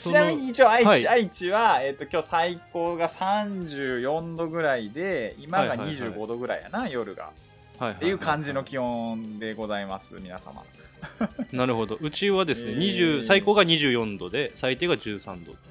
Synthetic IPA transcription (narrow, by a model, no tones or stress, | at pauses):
st͡ɕinamʲiɲ̟iːt͡ɕioːaiaait͡ɕiβae̞t̪ːo̞kʲoːsaiko̞ːɡasãɲd͡ʑɨːjõ̞nd̪o̞ɡɯ̟ɾaid̪e̞imaɡaɲaɲiʑɨːɡo̞d̪o̞ɡɯ̟ɾa̰ḭja̰najo̞ɾɯ̟ɡa̰ | haihaejɯ̟ːkãɲ̟d͡ʑino̞kʲihõ̞nd̪e̞ɡo̞zaimasɨ̰mʲinasa̰ma̰ | naɾɯ̟ho̞d̪o̞ɯ̟t͡ɕiβad̪e̞sɨne̞ɲ̟iʑɨːsaiko̞ːɡaɲ̟iʑɨːjõ̞nd̪o̞d̪e̞sait̪eɡad͡ʑɨːsã̰nd̪o̞d̪e